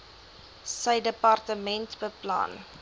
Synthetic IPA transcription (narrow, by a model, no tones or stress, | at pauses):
səjdəpɑrtəmɛntbəplɑ̰ːn